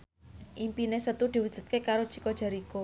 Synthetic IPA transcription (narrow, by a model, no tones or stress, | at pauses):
ʔimpinesət̪ud̪̥i̤wud̪̥ṳt̪̚kekaɾo̥t͡ʃi̥kod̥ʒ̥a̤ɾiko